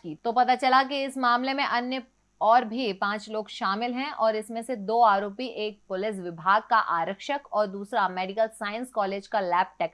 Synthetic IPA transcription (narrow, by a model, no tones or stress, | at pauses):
it̪opɐt̪at͡ʃɐlak̬iɪsmaːmlemẽʔɐnjə | ɔːɾbʱipãːt͡ʃloːɡʃaːmɪlɦɛ̃ʔɔːɾɪsmẽsed̪oːaːɾoːpiʔeːk̚pʊlɪs̬ʋɪbʱaːɡ̚kaʔaːɾəkʃəkɔːɾd̪uːsɾamɛːɖɪkəlsaːɪə̃nskɔːleːd͡ʒkalɛːp̚ʈɛːk